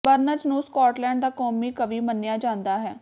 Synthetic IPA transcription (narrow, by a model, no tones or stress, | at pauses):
bəɾnət͡ʃnũːskɔːʈlɛ̃ːɳɖd̪aːkɔːmiːkəʋiːmənːɪjaːd͡ʒãːnd̪aːɦɛː